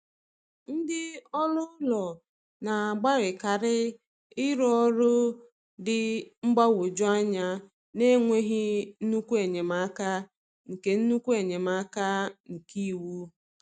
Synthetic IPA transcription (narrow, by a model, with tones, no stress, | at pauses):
n̩˦dɪ˦ɔ˦lʊ˦lɔ˨ | na˨a˨ɡ͡ba˦ɾɪ˨ka˨ɾɪ˦ | ɪ˦ɾɔ˦ɾʊ˦ | dɪ˨ŋ͡m̩˦ɡ͡ba˦wʊ˨d͡ʒʊ˦a˦ɲa˦ | ne˦ŋʷe˦ɦɪ˦n̩˦nu˦kʷu˦e˨ɲe˨ma˦ka˦ | ŋ̩˨ke˨n̩˦nu˦kʷu˦e˨ɲe˨ma˦ka˦ŋ̩˨ki˦˨˦wu˦